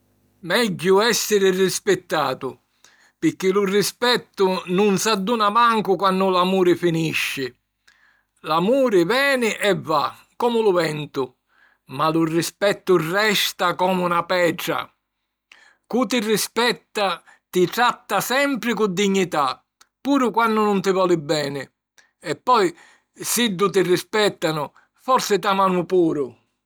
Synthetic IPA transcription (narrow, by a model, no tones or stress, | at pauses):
mɛɟːʊɛsːɪɾɪrispɪt̪ːaːt̪ʊ | pɪk̟ːilʊrispɛt̪ːʊnunsad̪ːunamaŋkʊkwanːʊlamuːɾɪfiniʃːɪ | lamuːɾɪvɛːnɪʔɛvːa | kɔːmʊlʊvɛnt̪ʊ | malurːispɛt̪ːʊrːɛst̪akɔːmunapɛʈɾa̰ | kut̪irːispɛt̪ːa | t̪it̪ɾat̪ːasɛmpɾɪkud̪ːiɲːit̪a | pːuːɾʊkwanːʊnʊnt̪ɪvɔːlɪbːɛːnɪ | ɛpːɔj | sid̪ːʊt̪̬irːispɛt̪ːanʊ | fɔɾsɪt̪amanʊpuːɾʊ